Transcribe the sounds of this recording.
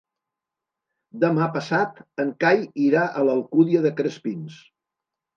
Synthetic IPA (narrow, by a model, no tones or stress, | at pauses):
d̪əmapəsat̪əŋkajiɾaʔələlˠkuðiəðəkɾəspins